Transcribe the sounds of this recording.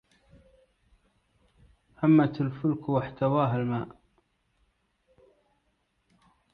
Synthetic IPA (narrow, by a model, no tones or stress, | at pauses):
hamːat̪alfʊlkwaħt̪awaːɦalmaːʔ